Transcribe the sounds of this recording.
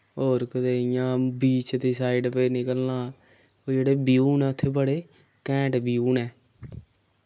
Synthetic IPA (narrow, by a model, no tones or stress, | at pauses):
oːɾkət̪eːɪjãːbiːt͡ʃt̪iːsaːiɖpeːnɪkəlnãː | od͡ʒeːɽeːbɪjuːnɛːʊt̪ʰːeːbəɽeː | kɛ̃ːʈbijuːnɛː